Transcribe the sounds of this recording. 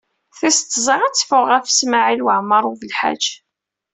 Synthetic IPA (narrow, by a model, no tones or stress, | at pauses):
θist̪ˤːzˤəʁæt͡sːfʊʁæfə̥smaʕilwəʕməɾˤuvəlħa̰d͡ʒ